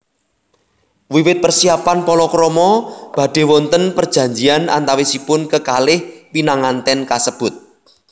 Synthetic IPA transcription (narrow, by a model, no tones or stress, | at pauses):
wiwɪt̪̚pərsiapanpɔlɔkɾɔmɔb̥ä̤ɖ̥e̤wɔnt̪ənpərd̥d͡ʒ̥ä̤ɲd͡ʒiana̰nt̪awisipʊnkəkalɪhwinaŋant̪ɛnkasəb̥ʊt̪̚